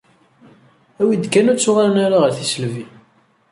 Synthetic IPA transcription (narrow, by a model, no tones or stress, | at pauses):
æwid̪kːænæt͡sːʊʁaɾənaɾaʁəɾθisəlvi